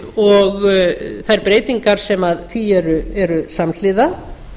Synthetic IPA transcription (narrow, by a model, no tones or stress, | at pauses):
ɔɣθaɛɾpɾeːjt̪iŋkaɾ̥sɛmaðθiɛɾʏɛɾʏsaml̥ɪða